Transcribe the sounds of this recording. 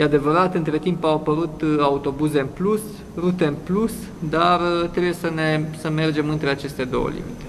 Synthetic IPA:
jead̪e̞vəɾat̪ɨnt̪ɾe̞t̪impawapəɾut̪aut̪o̞buze̞ɨnplus | rut̪e̞ɨnplus | d̪arət̪ɾebujesəne̞səme̞rd͡ʒe̞mɨnt̪ɾe̞at͡ʃe̞st̪e̞d̪o̞̰wə̰lḭmḭt̪e̞

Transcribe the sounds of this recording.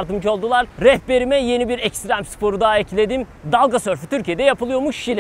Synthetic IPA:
ɾt̪ɯmd͡ʒo̞lˠd̪ulˠaɾɾɛhbe̞ɾimɛje̞nibiɾɛcst̪ɾæmspʰo̞ɾud̪aecʰilʲe̞d̪imd̪alˠɡasøɾfyt̪ʰyɾcʰijed̪ɛjapɯlˠɯjo̞muʃːilʲ

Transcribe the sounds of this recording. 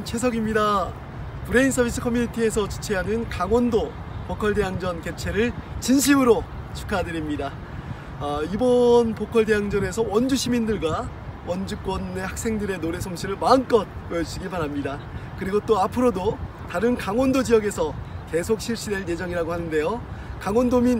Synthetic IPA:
nt͡ɕʰwe̞s̬ʰʌɡimɲida | pɯɾe̞insʰʌbʱis͈ʰɯ̥kʰʌminitʰie̞sʰʌt͡ɕut͡ɕʰeɦanɯnkaŋwʌndo | pokʰʌɭde̞jaŋd͡ʑʌnke̞t͡ɕʰe̞ɾɯɭt͡ɕinɕ̬ʰimɯɾo | t͡ɕʰu̥kʰadɯɾimɲida | ibʌnpokʰʌɭde̞ɦaŋd͡ʑʌne̞sʰʌwʌnd͡ʑuɕʰimindɯɭɡwa | wʌnd͡ʑɯk͈wʌnːe̞hak̚s͈e̞ŋdɯɾe̞noɾe̞sʰomɕʰiɾɯɭmaɯnk͈ʌt̚pʌʌt͡ɕ͈ʰiɡipaɾamɲida | kɯɾiɡot͈oapʰɯɾodo | taɾɯnkaŋwʌndod͡ʑijʌɡe̞sʰʌke̞sʰok̚ɕʰiɭɕ͈ide̞ɭje̞d͡ʑʌŋiɾaɡohanɯnde̞jokaŋwʌndomin

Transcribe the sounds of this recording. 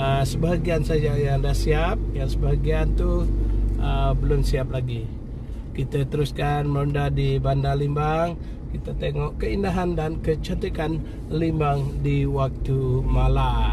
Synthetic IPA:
əsəbaɦaɡiansad͡ʒajadahsiap̚jaŋsəbaɦaɡiant̪u | əbəlʊmsiap̚laɡi | kit̪at̪əɾuskanmɾɔndadibandalimbaŋ | kit̪at̪eŋɔʔkəinaɦandankət͡ʃɔnt̪ikan | limbaŋdiwak̚t̪umala

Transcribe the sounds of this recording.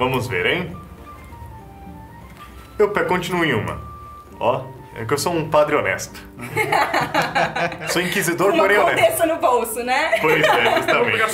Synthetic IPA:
vɐ̃mʊzvḛɾẽj̃ | ewpɛkõt͡ʃĩnuẽj̃ũmɐ̰ | ɔ | ɛ̰kewsoũpad̪ɾɪonɛ̰st̪ʊ̥ | soĩkizid̪oɾmoɾẽõɛd̪esʊnʊbowsʊnɛpojzɛust̪ɐmẽt͡ʃ

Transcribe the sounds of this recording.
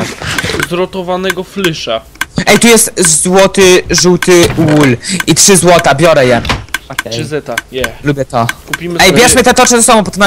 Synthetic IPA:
zɾɔt̪ɔvanɛɡɔflɘʂa | ɛjt̪ujɛst̪zzwɔt̪ɘʐuwt̪ɘwulitʂɘzwɔt̪abʲjɔɾɛjɛkzɛt̪aɛlubʲjɛt̪ɔkupʲimɛjbjɛʂmɘt̪ɛt̪ɔt͡ʂɛzɛsabɔ̃pɔt̪ɛmna

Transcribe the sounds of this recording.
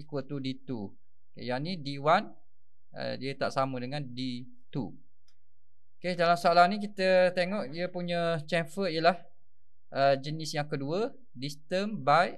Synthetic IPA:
ikuət̪udit̪u | jaʔnidiwan | ə̰diət̪aʔsamədəŋãndi | t̪ṵ | kedalamsoalanĩk̬it̪ət̪eŋɔʔiəpuɲət͡ʃɛnfəijəlah | ʔəd͡ʒənɪsjaŋkəduə | dist̪əmbajʔ

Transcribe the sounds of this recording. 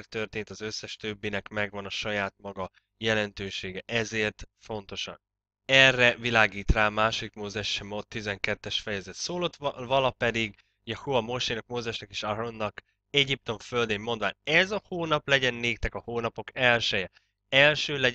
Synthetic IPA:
rt̪ːø̞rt̪eːnt̪ɒzø̞sːɛʃt̪øbːinɛkmɛɡvɒnɒʃɒjaːt̪̚mɒɡɒ | jɛlɛnt̪øːʃeːɡɛʔɛzeːrt̪fo̞nt̪o̞ʃɒ̰n | ɛrːɛvilaːɡiːt̪raːmaːʃod̪ikmoːzɛʃːɛmot̪ːizɛŋkɛt̪ːɛʃfɛjɛzɛt̪soːlot̪vɒlɒpɛd̪iɡ | jɛhuɒmo̞ʃenɒk̚moːzɛʃnɒkeːʃaɾonːɒk | ɛɟip̚t̪o̞ɱføld̪emːo̞nd̪vaːnɛzɒhoːnɒplɛɟɛnːeːkt̪ɛkɒhoːnɒpo̞kɛlʃɛjɛ | ɛlʃøːlɛ

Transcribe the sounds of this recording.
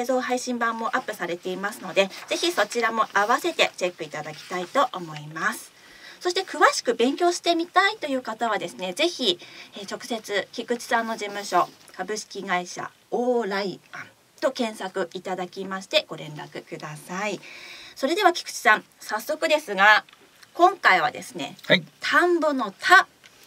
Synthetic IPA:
ezo̞ːɦaiɕĩmbãmːo̞ʔapːɯ̟saɾe̞t̪e̞imasɨno̞d̪e̞ze̞çiso̞t͡ɕiɾamo̞ʔaβase̞t̪e̞t͡ɕe̞kːɯ̟it̪ad̪akʲi̥t̪ait̪o̞ʔomo̞imasɨ̥ | so̞ɕi̥t̪e̞kɯ̟βaɕi̥kɯ̟bẽ̞ŋkʲo̞ːɕi̥t̪e̞mʲit̪ait̪o̞jɯ̟ːkat̪aβ̞ad̪e̞sɨne̞ze̞çʲiet͡ɕo̞kɯ̟̥se̞t͡sɨkʲikɯ̟t͡ɕi̥sãnːo̞ʑimɯ̟ɕo̞kabɯ̟ɕi̥kʲiɡaiɕa̰ | oːɾaiãn | t̪o̞kẽ̞ɰ̃sakɯ̟ʔit̪ad̪akʲimaɕi̥t̪e̞ɡ̥o̞ɾẽ̞nɾa̰kɯ̟kɯ̟d̪asaiso̞ɾe̞d̪e̞βakʲi̥kɯ̟̥t͡ɕi̥sãɴ | sasːo̞kɯ̟d̪e̞sɨɡa | kõ̞ŋkaiβa̰d̪e̞̰sɨ̥ne̞̰t̪ʰãmbono̞t̪ʰa

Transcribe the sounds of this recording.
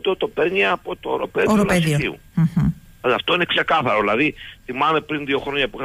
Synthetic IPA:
t̪ot̪opeɾɲiɐpo̞t̪oːɾo̞̰peðioɾoleðioiṵ | ɐft̪o̞inekse̞kɐθɐɾo̞ðilɐðiθimɐme̞pɾinðio̞xɾoɲɐpuiɐ

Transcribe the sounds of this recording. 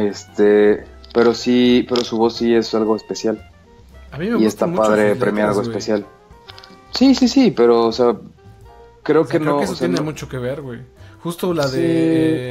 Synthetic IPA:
e̞st̪e̞pe̞ɾosipe̞ɾo̞suβo̞sːie̞salɣo̞espe̞sjal | amiiest̪apaðɾepɾemjaaɣoespe̞sjal | sisisipe̞ɾo̞ːse̞a | kɾe̞okenoosenmut͡ʃokeβeɾwejxust̪olaði

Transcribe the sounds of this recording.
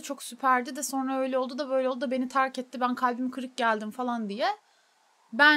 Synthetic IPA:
t͡ʃʰo̞ksypʰæɾd̪id̪ɛso̞nɾaø̞jlʲɛolˠd̪ud̪abøjlʲɛlˠd̪d̪abe̞nit̪ʰaɾcɛt̪ːibænkʰalʲbimkʰɯɾɯk̚ɟælʲd̪imfalˠand̪ijɛ | bæ

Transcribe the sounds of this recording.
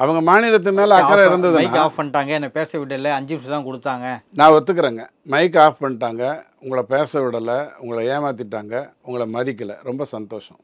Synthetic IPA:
ɐʋɐŋɡɐmaːnɪɾɐt̪̬ːɯmeːlɐɐkːɐɾaːɪɾɯnd̪ɐðɯɪnaːaːfpɐɳːɪʈaːŋɡɐɛnːɐpeːsɐʋɪɽːɐlːɐɐɲd͡ʒɪmst̪ãːkʊɽɯt̪ːaːŋɡɐnãːʋɔt̪ːɯkːɐɾeːŋɡɐ | mɐɪk̬aːfpɐɳːɪʈːaːŋɡɐ | ʊŋɡɐɭɐpeːsɐʋɪɽɐlɐʊŋɡɐɭɐjeːmaːt̪̬ːɪʈːaːŋɡɐʊŋɡɐɭɐmɐðɪkːɐlɐ̰ɾɔmbɐsɐnt̪oːʂɐ̰̃

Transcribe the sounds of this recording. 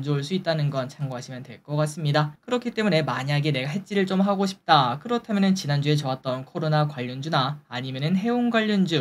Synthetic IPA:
nd͡ʑouɭs͈uit͈̚anɯnɡʌnt͡ɕʰaŋɡoɦaɕʰimjʌntwe̞ɭk͈ʌk͈as͈ɯmɲidakɯɾʌkʰit͈e̞mune̞maɲiaɡene̞ɡaɦe̞t͡ɕ͈iɾɯɭt͡ɕ͈omɦaɡoɕʰi̥p̚t͈akɯɾʌtʰamjʌnɯnt͡ɕinand͡ʑue̞t͡ɕʌat̚t͈ʌnkʰʌɾonakwaʎːʌnd͡ʑunaːɲimjʌnɯnɦe̞onɡwaʎːʌnd͡ʑu

